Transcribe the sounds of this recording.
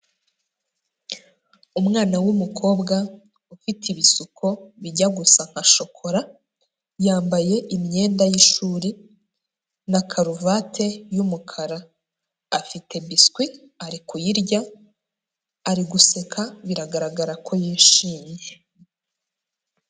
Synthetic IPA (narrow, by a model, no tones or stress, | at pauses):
umŋaːnawumukʰo̞ːbɡa | ufitiβisukʰo̞βiɟaɡusaŋ̥haʃo̞kʰo̞ɾa | jaːmbaje̞ʔimɲe̞ːndajiʃuːɾi | nakʰaɾuvatʰe̞jumukʰaɾaː | fitʰe̞biskwi | aɾikujiɾɟa | aɾiɡusekʰaβiɾaɡaɾaɡaɾakʰo̞jiːʃiːɲje